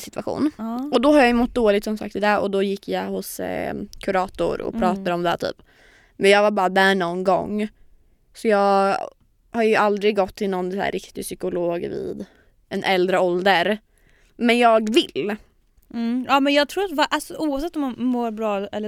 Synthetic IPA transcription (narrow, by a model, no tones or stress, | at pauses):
sɪt̪ʰvaɧṵːnɔd̪ɔhaɾjajɵmɔt̪̚ːd̪oːlɪt̪sɔmsa̰k̚t̪ɪd̪ɛɔ̰d̪ɔjɪkːjahʊskʰʊɾɑːt̪ʊ̰ɾɔ̰pʰɾɑːt̪ad̪əɔmd̪ɛ̰t̪ʰy̰ːp | mɛnjɑːɡvaɾbɑːɾad̪æɳɔnɡɔ̰ŋː | sɔjɑː | haɾjɵʔald̪ɾɪɡːɔt̪ʰːɪlnɔnːsæ̰ːɾʔɪkt̪ɪsʏkʊloːɡvɪ̰ːd̪ | ʔɛnʔɛld̪ɾəɔld̪əɾ | mɛnjɑːɡvɪl | ɑːmɛnjɑːɡ̚t̪ʰɾuːɾat̪vaʔalsɔʔuːavsɛt̪ːɔmanmoːɾbɾɑːɛlː